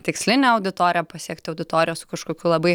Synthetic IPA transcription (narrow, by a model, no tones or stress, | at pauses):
t̪ʲɪksʲlʲɪnʲeːɐʊd̪ʲɪt̪oːɾʲɪjɛpɐsʲiɛkt̪ʲɪɐʊd̪ʲɪt̪oːɾʲɪjoːsʊkɐʃkoːkʲuːlˠɐbɐɪ